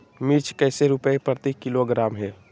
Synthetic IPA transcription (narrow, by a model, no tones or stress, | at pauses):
miɾt͡ʃʰkɛːseɾʊpəepɾət̪ikɪloɡɾaːmɦɛː